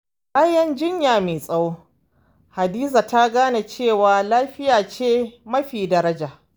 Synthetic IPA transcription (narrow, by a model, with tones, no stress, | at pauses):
ʔʼa˦jɐ˦nd͡ʒɪ˦ɲjaː˨meː˨sʼɐ˦woː˦ | ha˨diː˦za˨ta˦ɡaː˦na˨t͡ʃeː˦˨waː˨laː˦ɸɪ˦jaː˨t͡ʃeː˦mɐ˦ɸiː˨dɐ˦ɾɐ˦d͡ʒaː˨ʔ